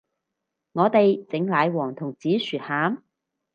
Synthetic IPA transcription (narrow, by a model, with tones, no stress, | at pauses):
ŋɔː˨˧t̪e˨jt͡sɪ˨˥ŋlaː˨˧˥jwɔː˨˩ŋt̪ʰʊ˨˩ŋt͡siː˨˥syː˨t̚haː˨˥m